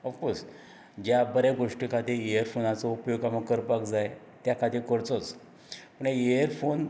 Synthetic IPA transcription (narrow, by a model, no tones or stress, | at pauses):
ɔfkos | d͡ʑjabəɾeɡoʂʈikʰat̪ijəɾfonat͡sɔupjoɡaməkəɾpakd͡zaj | t̪jakʰad̪ikəɽt͡sɔt͡s | pəɳeeəɾfon